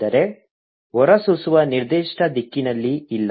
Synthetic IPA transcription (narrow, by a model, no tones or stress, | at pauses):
ɐɾe̞ | ɔɾɐsusuʋɐniɾd̪iːʂʈɐd̪ikːinɐlːiilː